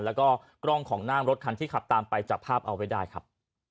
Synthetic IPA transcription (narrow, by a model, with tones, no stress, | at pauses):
lɛː˦˥wkɔː˥˩ | kɾɔ˥˩ŋkʰɔː˩˦ŋnaː˥˩mɾo˦˥t̪̚kʰa˧nt̪ʰiː˥˩kʰa˨˩p̚t̪aː˧mpa˧jt͡ɕaː˨˩k̚pʰaː˥˩p̚ʔa˧wːa˦˥jdaː˥˩jkʰa˦˥p̚